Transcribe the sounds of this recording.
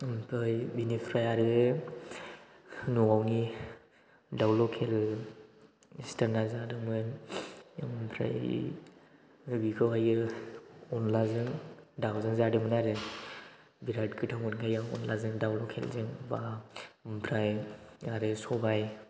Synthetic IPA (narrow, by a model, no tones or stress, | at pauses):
mpʰɾajbinipʰɾajaɾɯ | nuawni | dawlɔkʰel | istaɾnazadɯmɯn | mpʰɾa̰j | bikʰɯwajɯ | ɔnlazɯŋdawzɯŋzadɯmɯnaɾɯ | biɾat̚kʰɯtʰawmɯnkʰajaɔ̰nlazɯŋdawlɔkʰḛlzɯŋbampʰɾajaɾɯsɔbaj